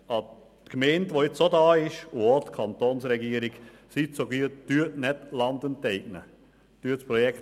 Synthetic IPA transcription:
ɑ | tkmɛːntʋoɪt͡sodɑːɪʃʊotkʰɑnt̪onsɾɛɡiːəɾɪɡ | sitsoɡiːətyətnɛtlɑnd̪əntɛɪɡ̚nə | tyətspɾɔjɛkt

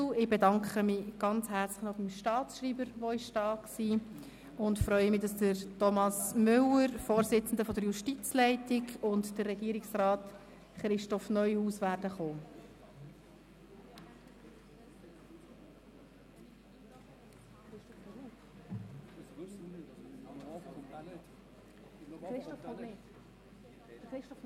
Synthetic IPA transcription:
ɪbedɑŋkχəmiɡ̥ɑnt͡shæːɾt͡sləχnɔχbimʃtɑːt͡sʃriːbəɾʋoɪʃtɑːksiː | ʊntfɾœʏəmɪdɑsd̥əɾtɔmɑsmʏləɾfoːɾsɪt͡sn̩dəfɔdəɾjuʃtit͡slɛɪtɪɡʊntd̥ərːɛɡiːɾɪksrɑːt | χɾɪʃtɔfnœʏhuːsʋæːrdəχoː

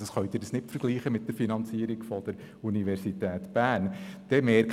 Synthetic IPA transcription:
əsχœʊtdɪːɾdəsnɪtfəɾɡ̥liːχəmɪt̚d̥əɾfinɑnt͡siːəɾikfɔd̥əɾ | uniʋɛɾsitɛːtb̥æːnd̥ɛmɛɾk

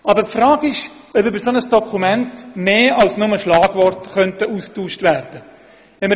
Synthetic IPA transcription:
ɑbəpfɾɑːɡɪʃ | œpʏbəɾsonəsd̥ɔkʰumɛntmeːɑlsnʊməʃlɑːɡ̥vɔrtχœntəustuːʃtvæːrd̥ə | ɛmə

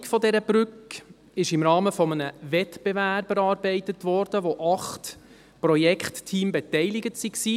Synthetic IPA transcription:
kfɔdɛɾəb̥ɾʏk | ɪʃɪmɾɑːməfɔmənəvɛtb̥evæb̥əɾɑːɾbɛɪtətʋɔɾd̥əʋoʔɑχt | prɔjɛkχtːʰiːmbɛt̪ɛɪlɪɡətsiksiː

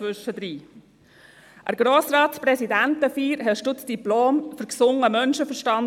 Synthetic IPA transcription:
vʏʃəd̥̪ɾiː | ʔə̰ɾɡ̥ɾoːsɾɑːtspɾɛsidæntəfiːɾɦɛʃtʊtsd̥iploːmfʏɾksʊŋəmœnʃəfəɾʃtɑn

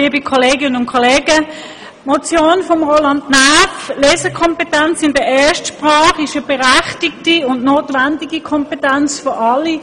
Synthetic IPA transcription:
liːbikʰɔleːɡɪnənʊnkʰɔleːɡə | mot͡sjoːnfɔmʁoːlɑndnæflɛːsəkʰɔmpetænt͡sɪndəɛːɐʃtʃpʁɑːχɪʃəb̥ɛʁæχtik̚tiʊndnoːtʋændiɡikʰɔmpetænt͡sfɔʔɑlːi

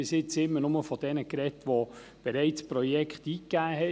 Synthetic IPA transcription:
ɪsɪt͡sɪmːənʊməfɔd̥ɛnəkɾɛtʋo | b̥ɛɾæɪt͡spɾɔjɛkχtiːkːæːɦɛ

